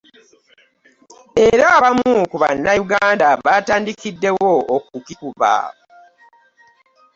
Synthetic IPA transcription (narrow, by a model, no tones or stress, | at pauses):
e̞ɾaːβamukuβa̰nːajuɡaːndaβataːndikidːe̞wookukikuβa̰